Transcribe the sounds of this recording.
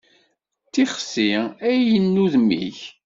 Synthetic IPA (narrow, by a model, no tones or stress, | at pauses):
tːiχsːiæjənːuðmːḭç